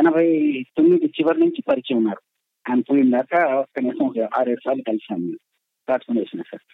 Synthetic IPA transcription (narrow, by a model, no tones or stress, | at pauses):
ɛnɐbʱɐjt̪onːiɖ̪it͡ʃiʋɐɾnuɲt͡ʃipɐɾit͡ʃiunːaːɾu | anpujind̪aːkɐɔkːɐnɛːsɐ̃mɔkɐaːɾeɽusaːlːukɐlisaːnːi | k̪aːʈpʰɐnɖesinasɐ̰ɾ